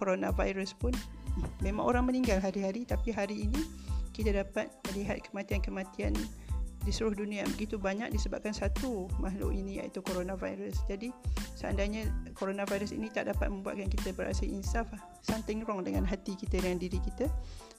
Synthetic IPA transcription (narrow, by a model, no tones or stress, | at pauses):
koɾonãva̰jɾəspʊnmẽmã̰ŋo̰ɾaŋməniŋɡalɦaɾiɦaɾit̪apiɦaɾiːnikit̪adapat̪̚mə̃liɦat̪̚kəmãt̪iankəmãt̪iandisuɾʊhdunĩabəɡit̪ubaɲak̚disəba̰p̚kansat̪umaɦlʊ̰ʔinĩa̰ḭt̪ukoɾonãva̰jɾəsd͡ʒadisəa̰ndajɲəkoɾonãvajɾəsḭnit̪aʔdapat̪̚mə̃mbua̰t̪̚kankit̪əbəɾa̰səlʔḭnsaflah | sant̪ɪŋɾɔŋdəŋanɦat̪ikit̪ədəŋandiɾikit̪a